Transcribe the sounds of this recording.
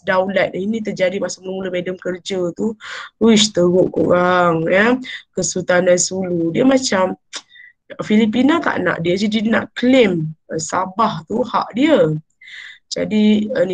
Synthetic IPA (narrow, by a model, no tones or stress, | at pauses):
dawlat̪̚əinĩt̪̬ərd͡ʒadimasaʔmələmuləmedəmkərd͡ʒət̪uɾuɪst̪əɣʊʔkuɾaŋjəkəsut̪andansuludiəmat͡ʃam | əfilip̬inat̪a̰ʔna̰ʔdiəd͡ʒadina̰ʔkleməsabaht̪uha̰ʔdiə | d͡ʒa̰diən